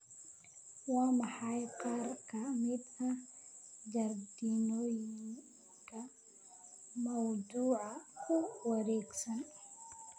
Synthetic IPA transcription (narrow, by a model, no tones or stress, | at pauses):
wɑːmɑħɑjqɑːrkʰɐmɪd̪ɐ | d͡ʒɐrd̪inɔːjɪŋ | kʰɐ | mɐwd̪uːʕɑkʰʊwɐɾɛːɡsɐn